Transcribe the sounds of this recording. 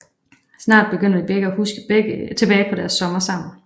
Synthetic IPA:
snɑ̰̈ːd̥̚b̥e̝ɡ̥øn̰d̥dib̥eɡ̥əæhusɡ̥ə̥t͡sʰe̝b̥ɛːɪpʰɒ̽ɾæɐsːɒ̽mɐsɑ̈ʊ̰n̩

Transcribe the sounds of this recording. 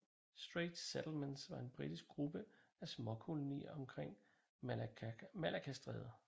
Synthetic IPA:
sd̥ʁeːd̥sed̥l̩mensʋɑ̈e̝nb̥ʁid̥isɡ̥̚ɡʁub̥əæsmɒ̽kʰo̝lo̝nḭːɐɒ̽mkʰʁeŋ̰ | mælækʰæsd̥ʁɛ̰ːðˠɐ

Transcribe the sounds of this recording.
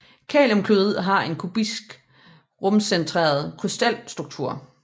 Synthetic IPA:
kʰɛ̰ːlɔmkʰluð̩ˠɦɑ̈e̝nkʰub̥isɡ̥ | ʁɔ̽msent͡sʰʁḛːɐð̞ˠkʰʁysd̥æl̰sd̥ʁuɡ̥̚t͡sʰuɐ̰

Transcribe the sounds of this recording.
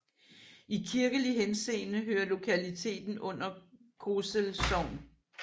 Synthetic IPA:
ʔikʰiɐɡ̥əliɦense̝̰ːnəɦøːɐlo̝kʰælit͡sʰe̝̰ːd̥n̩ɔ̽n̰ɐ | kʰosəlsɒʊ̰n

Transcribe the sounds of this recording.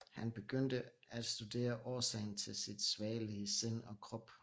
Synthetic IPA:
hænb̥e̝ɡ̥øn̰d̥əæd̥sd̥ud̥e̝̰ːɐʔɒːsɛ̰ɪn̩t͡sʰe̝lsid̥sʋɛːliəsen̰ɒ̽kʰʁɒ̽b̥

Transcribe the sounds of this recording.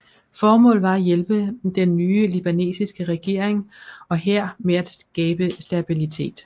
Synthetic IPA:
fɒːmɔ̰ːlʋɑ̈æjelb̥əd̥enːyːəlib̥æne̝̰ːsisɡ̥əʁɛɡ̥e̝ɐ̰eŋɒ̽ɦeɐ̰meæd̥sɡ̥ɛːb̥əsd̥æb̥ilit͡sʰe̝̰ːd̥

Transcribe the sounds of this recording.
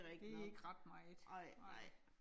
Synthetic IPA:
ʁɛɡ̥̚e̝eɡ̥ʁɑ̈d̥mɑ̈ɪd̥ɑɪ̰ɪ̰

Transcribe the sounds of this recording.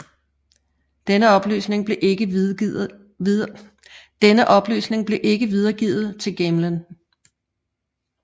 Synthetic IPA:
d̥enəɒ̽b̥ly̰ːsne̝ŋb̥le̝ʔɡ̥ə | d̥enəʔɒ̽b̥ly̰ːsne̝ŋb̥le̝ʔe̝ɡ̥əʋið̞ˠɐɡ̥ḭːð̩ˠt͡sʰe̝lɡ̥emlən

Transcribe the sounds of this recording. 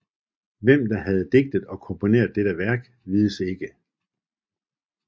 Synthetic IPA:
ʋem̰d̥ɑ̈ɦæð̞̩ˠd̥e̝ɡ̥̚d̥əð̩ˠɒ̽kʰɒ̽mpʰo̝ne̝̰ːɐðˠd̥eɾ̥əʋæɐɡ̥ | ʋið̞ˠəse̝ɡ̥ə

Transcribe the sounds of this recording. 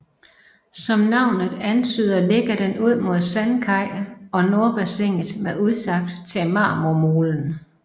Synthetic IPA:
sɒ̽mnɑ̈ʊ̰nð̩ˠænt͡sʰyːð̰ˠɐle̝ɡ̥ɐd̥enuð̞̰ˠmo̝ð̞̰ˠsænkʰɑ̈ɪ̰ɒ̽no̝ɐb̥æseŋ̰ð̩ˠmeuðˠsɑ̈ɡ̥̚d̥t͡sʰemɑ̰̈ːmomoːln̩

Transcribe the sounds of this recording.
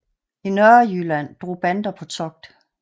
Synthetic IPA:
inœɐɐjylæn̰d̥ʁo̝̰ːb̥ænd̥ɐpʰɒ̽t͡sʰɒ̽ɡ̥̚d̥

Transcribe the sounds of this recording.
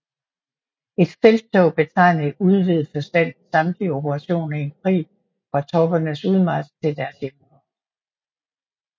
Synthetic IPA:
e̝d̥selt͡sʰɔʊ̰b̥e̝t͡sʰɑ̈ɪ̰nəuð̞ˠʋið̞̩ˠfɒ̽sd̥æn̰sɑ̈md̥lio̝bəʁɑ̈ɕo̝̰ːnɐienpʰʁḭː | fʁɑ̈t͡sʰɒ̽b̥ɐnəsuð̞ˠmɑd̥t͡sʰe̝ld̥æɐsjemu

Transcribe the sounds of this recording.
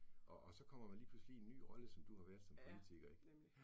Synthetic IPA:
ʔɒ̽ʔːsɒ̽kʰɒ̽m̰ɐmænliːpʰluslie̝nːy̰ːʁɒ̽ləsɒ̽md̥uhɑ̈ʋæːɐð̥ˠsɒ̽mpʰo̝lit͡sʰiɡ̥ɐeɡ̥

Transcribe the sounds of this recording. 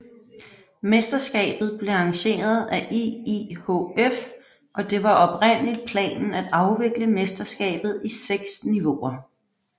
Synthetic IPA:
mesd̥ɐsɡ̥ɛ̰ːb̥ð̞̩ˠb̥le̝ɑ̈ŋɕe̝̰ːɐð̞̩ˠæʔiihoef | ʔɒ̽d̥e̝ʋɑ̈ʔɒ̽b̥ʁen̰əlid̥̚pʰlɛ̰ːnn̩æd̥ɑ̈ʊʋe̝ɡ̥ləmesd̥ɐsɡ̥ɛ̰ːb̥ð̞̩ˠiseɡ̥sniʋo̝ɐ

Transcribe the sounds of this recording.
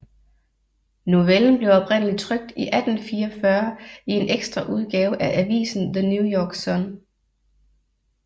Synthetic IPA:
nuʋeln̩b̥le̝ʊɒ̽pʰʁen̰əlid̥̚t͡sʰʁœɡ̥̚d̥iʔæd̥n̩fiːɐɒfɶɐie̝neɡ̥sd̥ʁɐʔuð̞ˠɡ̥ɛːʊʔæʔæʋḭːsn̩ðənjujɒːɡ̥sɒn

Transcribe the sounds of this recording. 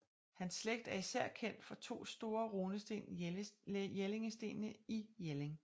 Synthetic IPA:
hænsːleɡ̥̚d̥æɐisæɐ̰kʰen̰d̥fɒ̽t͡sʰo̝̰ːsd̥o̝ːɐʁoːnəsd̥e̝̰n | jele̝ŋəsd̥e̝̰ːnəijeleŋ

